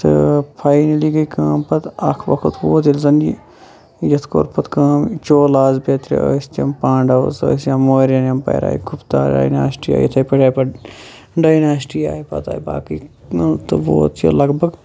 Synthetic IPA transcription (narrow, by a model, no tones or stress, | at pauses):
t̪ɨpʰaːinɐliɡɐikaːmpɐt̪ɐkʰʋɐkʰut̪ʋoːt̪ilzɐnd͡ʒi | jɐt̪ʰko̰ːɾpʰɐt̪kãːmt͡ʃoːlaːzpɐt̪ɾḛoːst̪jɐmpãːɳɖɐozo̰ːsjamoːɾjanɐmpɐ̰ːɾa̰ːjkʰupt̪aːɾɖa̰ːjna̰ːsʈija̰ːjet̪ʰɐːipeʈaːpɐ | ɖaːjnaːsʈija̰ːipɐ̰t̪a̰ːjba̰ːkit̪ɨʋo̰ːt̪ʰjo̰lɐɡbʱɐɡ